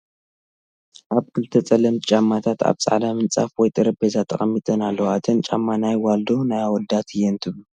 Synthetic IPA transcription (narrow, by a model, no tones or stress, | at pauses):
ʔaβkʰɨlɨt̪ʰːɐt͡sʼɐlɐmt̪t͡ʃʼamːat̪ʰat̪ʰa̰βt͡sʼa̰ʕd̪amɨnt͡sʼa̰fwɔjt̪ʼɨɾɐbezat̪ʰɐχʼɐmːit̪ʼɐnalːɐwat̪ʰɐnt͡ʃʼa̰mːanajwald̪o̞najawɔld̪at̪ʰɨjɛnt̪ʰɨβlu